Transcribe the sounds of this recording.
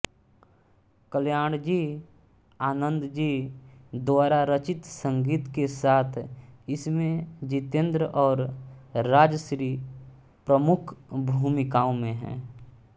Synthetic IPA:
kəljaːɽ̃d͡ʒiː | aːnə̃nd̪d͡ʒiːd̪waːɾaɾət͡ʃɪt̪sə̃ŋɡiːt̪kesaːt̪ʰɪsmẽd͡ʒɪt̪ẽnd̪ɾəʔɔːɾɾaːd͡ʒəsɾiː | pɾəmʊkʰbʱuːmɪkaːõmẽɦɛ̰̃ː

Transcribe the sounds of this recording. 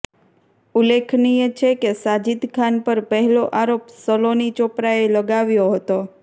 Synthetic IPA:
ulekʰnijət͡ʃʰekesad͡ʒid̪kʰanpəɾpəɦɛloʔaɾopsəlonit͡ʃopɾaeləɡaʋjoɦət̪o

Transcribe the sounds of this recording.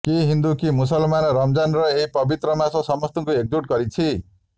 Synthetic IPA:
keɦind̪ukimus̬ʌlmanʌrʌmd͡zanrʌeɦipʌbit̪ɾʌmasosʌmʌst̪uŋkoek̚d͡zuʈ̚ɡʌɾit͡sʰi

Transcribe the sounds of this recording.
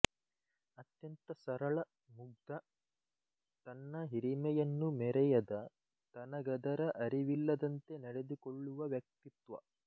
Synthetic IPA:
ɐt̪jɐnt̪ɐsɐɾɐɭɐ | muɡ̚d̪ɐ | t̪ɐnːɐɦiɾimɛjɐnːumɛɾɛjɐd̪ɐ | t̪ɐnɐɡɐd̪ɐɾɐʔɐɾiʋilːɐd̪ɐnt̪e̞nɛɽed̪ikoɭːuʋɐʋjɐk̚t̪it̪ʋɐ

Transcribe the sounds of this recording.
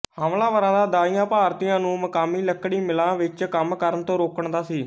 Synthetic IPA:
haːmlãːʋəɾãːd̪aːd̪aːijãːpaːɾt̪ijãːnũːməkaːmiːləkːɽiːmɪlãːʋɪt͡ʃkəmkəɾənət̪õːɾoːkəɳd̪aːsiː

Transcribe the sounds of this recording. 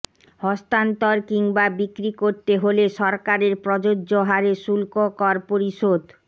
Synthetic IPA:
hɔst̪ant̪oɾkiŋbabikɾikoɾt̪eɦoleʃɔɾkaɾeɾpɾɔd͡ʑod͡ʑːoɦaɾeʃulkokɔɾpoɾiʃod̪

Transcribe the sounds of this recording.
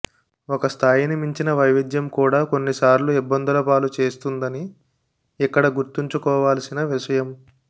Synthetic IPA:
okɐst̪ʰaːjinimiɲt͡ʃinɐʋɐjʋid̪jɐmkuːɽaːko̞nːisaːɾluibːɐnd̪ɐlɐpaːlut͡ʃe̞ːst̪und̪ɐniː | kːɐɽɐɡuɾt̪iɲt͡ʃukɔːʋaːlɐsinɐʋiʂɐjɐm

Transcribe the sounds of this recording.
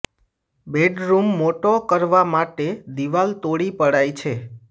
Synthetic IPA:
beɖɾumːoʈokəɾʋamaʈed̪iʋalt̪oɽipəɽajt͡ʃʰe

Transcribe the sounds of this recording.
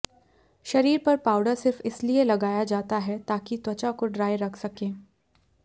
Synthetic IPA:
ʃɐɾiːɾpɐɾpaːʊɖəɾsɪɾfɪslielɐɡaːjad͡ʒaːt̪aɦɛt̪aːkit̪wɐt͡ʃakoɖɾaːjɾɐkʰsɐkẽː

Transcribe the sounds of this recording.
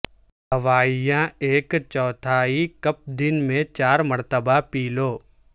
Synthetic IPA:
ɦɐʋaːijãeːkt͡ʃɔːt̪ʰaːikɐp̚d̪ɪnmẽt͡ʃaːɾmɐɾt̪əbapiːloː

